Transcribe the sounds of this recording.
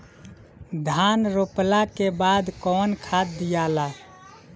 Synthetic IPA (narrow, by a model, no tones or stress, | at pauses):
d̪ʱanɾoplakebad̪kɔːnkʰat̪̚d̪ijala